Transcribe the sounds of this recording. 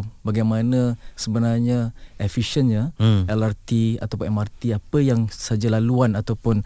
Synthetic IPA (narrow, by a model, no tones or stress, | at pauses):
baɡajmanəsəbənarɲaʔɛfiʃənɲəɛlart̪ia̰t̪awpʊnɛmart̪iapəjaŋsad͡ʒalaluanat̪awpʊn